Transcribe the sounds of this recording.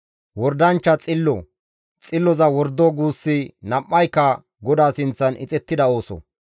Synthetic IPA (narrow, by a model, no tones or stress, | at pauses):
wɔɾd̪ɐnt͡ʃːɐt͡sʼɪlːɔ | t͡sʼɪlːɔzɐwɔɾd̪oːɡuːsːɪnɐmːɐjkːɐ | ɡɔd̪aːsɪnt͡sːɐnɪ̰t͡sʼɛt̪ːɪd̪ɐo̞ːsɔ̰